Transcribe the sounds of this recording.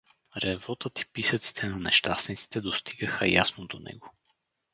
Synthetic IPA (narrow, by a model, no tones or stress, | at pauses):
ɾɛvɔt̪ət̪i̥pisət̪si̥t̪ʰɛnɐnɛ̰ʃt̪asnit̪si̥t̪ɛd̪ost̪iɡəxə̰jasnod̪onɛ̰ɡo